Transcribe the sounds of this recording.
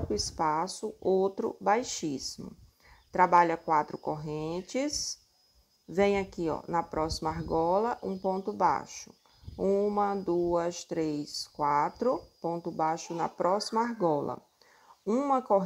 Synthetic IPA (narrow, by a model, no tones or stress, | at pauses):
kʊispasʊowt̪ɾʊ̰bajʃismʊ | t̪ɾabaʎɐkwat̪ɾʊkoɦẽt͡ʃɪs | vẽj̃akiɔ̰nɐpɾɔsimɐaɦɡɔlɐʔũpõnt̪ʊba̰ʃʊ̥ | ũmɐd̪uɐst̪ɾeskwat̪ɾʊpõnt̪ʊbaʃʊnɐ̰pɾɔsimɐaɦɡɔlɐ̰ | ũmɐkoɦ